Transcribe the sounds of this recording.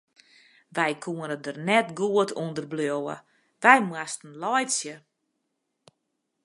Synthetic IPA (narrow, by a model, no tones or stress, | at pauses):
ʋɛjkʰuənədərnɛtɡuətʰundərblowə̰ | ʋɛjmwastən̩lɔjsjə